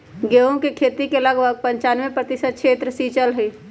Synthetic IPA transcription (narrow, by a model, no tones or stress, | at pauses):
ɡeːõkekʰeːt̪ikeləɡbʱəɡ̚pɐ̃ɲt͡ʃaːnʋẽpɾət̪ɪsəd̪̚kʃʰeːt̪ɾəsiːt͡ʃəlɦiː